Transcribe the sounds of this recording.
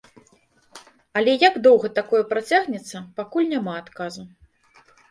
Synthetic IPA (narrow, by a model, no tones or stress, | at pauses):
ɐlʲɛjaɡd̪ɔwɣɐt̪akɔjɐpɾat͡sʲaɣnʲɛt̪sːɐpakulʲnʲamaːt̪kazu